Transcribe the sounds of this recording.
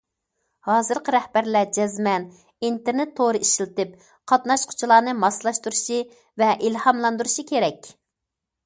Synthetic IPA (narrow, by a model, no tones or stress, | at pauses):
hɑːzɨɾqʰəɾɛhbæɾlæd͡ʒɛzmɛn | int̪eɾnɪt̪ʰːoɾɨiʃilɨt̪ɨp̚ | qʰɑt̪nɑʃqʰʊ̥t͡ʃʰulˠɑːnɨmɑslˠɑʃt̪uɾuʃi | vɛʔilhɑmlˠɑnd̪uɾuʃikʲʰeɾɛkʲ